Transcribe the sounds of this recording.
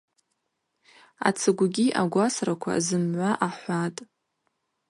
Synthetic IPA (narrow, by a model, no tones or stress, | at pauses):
a̰t͡sʰɨɡʷɡʲiʔaɡʷasrakʷʰa̰zɨmʕʷaʔaħʷatʼ